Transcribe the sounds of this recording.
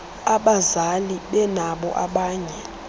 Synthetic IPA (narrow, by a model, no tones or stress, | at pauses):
aɓazaliɓɛnaɓɔ̰ʔaɓaːɲɛ